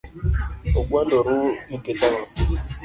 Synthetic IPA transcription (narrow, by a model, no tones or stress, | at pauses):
oɡʷuandoɾuketaŋa